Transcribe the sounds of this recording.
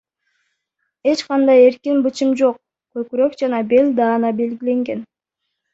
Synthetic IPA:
e̞t͡ʃqɑnd̪ɑje̞ɾkinbɯt͡ʃɯmd͡ʒo̞q̚ | køkyɾøkd͡ʒɑnɑbe̞lʲd̪ɑːnɑbe̞lɡile̞ŋɡe̞n

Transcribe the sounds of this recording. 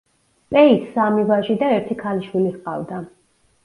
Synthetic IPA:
pʼɛisːamivaʒid̪aɛɾt̪ʰikʰaliʃwilisqʼa̰vd̪a

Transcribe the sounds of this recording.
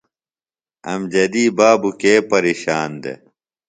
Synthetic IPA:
ɐ̰md͡ʑɐd̪iːbaːbukeːpɐɾiːɕaːnd̪ḛ

